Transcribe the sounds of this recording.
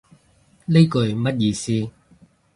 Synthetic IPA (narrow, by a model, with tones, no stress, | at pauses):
ne˥jkɵ˨˧ɥmɐ˥t̚jiː˧siː˥